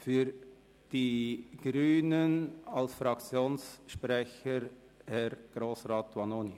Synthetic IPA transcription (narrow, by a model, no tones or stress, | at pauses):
fyɾ | d̥iɡ̥ɾyːnənɑlsfɾɑkt͡sjoːnsʃprɛçəɾ | hɛɾɡ̥ɾoːsraːtʋɑnoːni